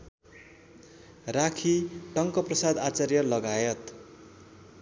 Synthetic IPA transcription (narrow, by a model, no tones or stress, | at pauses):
rakʰiʈʌŋkʌprʌsad̪at͡sarjʌlʌɡajʌt̪